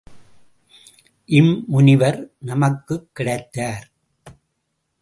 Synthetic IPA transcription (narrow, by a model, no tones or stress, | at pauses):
ʔɪmːʊnɪʋɐɾnɐmɐkːɯkːɪɽɐɪt̪ːaːɾ